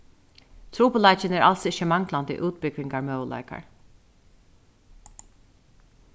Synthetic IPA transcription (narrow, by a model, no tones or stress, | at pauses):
t̪ʰɾuːpəlaɪt͡ʃɪnɛɹʔa̰lsɪçəmaŋklant̪ḭːʔuːt̪̚bɪkɾɪŋkaɹmœːwlʔa̰ːjka̰ɹ